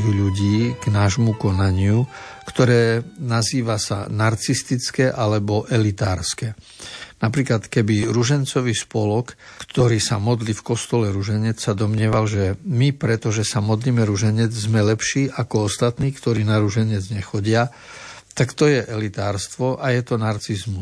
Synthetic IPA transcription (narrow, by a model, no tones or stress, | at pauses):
ɣʎuɟiːɡ̥naːʒmukɔnaɲɪukt̪ɔɾɛːnaziːʋasa̰naɾt͡sist̪it͡skɛʔalɛbɔʔɛlit̪aːɾskɛ | napɾiːklat̪kɛbiɾuʒɛnt͡sɔʋiːspɔlɔkkt̪ɔɾiːsamɔd̪liːfkɔst̪ɔlɛɾuʒɛɲɛt͡ssad̪ɔmɲɪɛʋalʒɛmipɾɛt̪ɔʒɛsamɔd̪liːmɛɾuʒɛɲɛd͡zzmɛlɛpʃiːʔakɔɔst̪at̪niːkt̪ɔɾiːnaɾuʒɛɲɪɛd͡zɲɛxɔɟɪa | t̪akt̪ɔjɛʔɛlit̪aːɾst̪ʋɔʔajɛt̪ɔnaɾt͡sizmu